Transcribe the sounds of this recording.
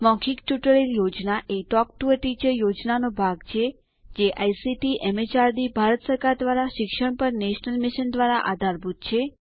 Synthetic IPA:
mɔ̃kʰikʈjuʈəɭiljod͡ʒnaʔeʈɔkʈuəʈid͡ʒəjod͡ʒnanobʱaɡt͡ʃʰe | d͡ʒeʔajsiʈiʔɛmet͡ʃaɾd̪ibʱaɾət̪səɾkaɾd̪ʋaɾaʃɪkʃəɳpəɾneʃnəlmɪʃənd̪ʋaɾaʔad̪ʱaɾbʱut̪̚t͡ʃʰe

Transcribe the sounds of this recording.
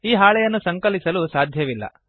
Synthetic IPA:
iːɦaːɭɛjɐnːusɐŋkɐlisɐlusaːd̪ʱjɐʋilːɐ̰

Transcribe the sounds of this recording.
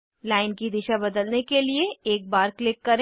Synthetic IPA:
laːɪnkid̪ɪʃabɐd̪əlnekelieeːk̚baːɾklɪkːɐɾe

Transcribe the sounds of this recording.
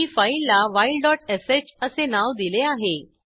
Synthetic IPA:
ifailːaʋailɖɔʈeset͡ɕəsenaʋd̪ileaɦe

